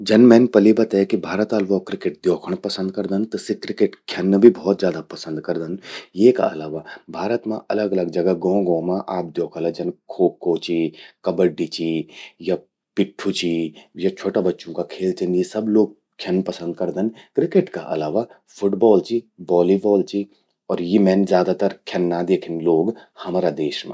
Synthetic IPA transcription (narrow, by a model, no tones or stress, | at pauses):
d͡ʒɐnmɛ̃ːnpɐlibɐt̪akibʱaːɾət̪aːlʋɔːkɾɪkeʈ̚d̪joːkʰəɽ̃pɐsə̃nd̪̚kɐɾd̪ənt̪ɐsekɾɪkeʈkʰjɐnːbʱibʱɔːt̪zjaːd̪apɐsə̃nd̪kɐɾd̪ənjeːka̰ɐ̰laːʋabʱaːɾət̪mã̰ʔɐləɡɐləɡd͡ʒɐɡaɡɔ̃ːɡɔ̃ːmãʔaːp̚d̪joːkʰəlad͡ʒɐnkʰoːkːoːt͡ʃikɐbəɖːit͡ʃija | pɪʈʰːut͡ʃijat͡ʃʰoːʈabɐtːʃõkakʰeːlt͡ʃənjesɐbloːɡ̚ | kʰjɐnpɐsə̃nd̪̚kɐɾd̪ənkɾɪkeʈka̰ʔɐ̰laːʋa | fʰʊʈbɔːlt͡ʃibɔːlibɔːlt͡ʃi | ɔːɾjemɛːnzjaːd̪at̪əɾkʰjɐnːad̪eːkʰənloːɡhɐmaːɾad̪eːʃmḛ̃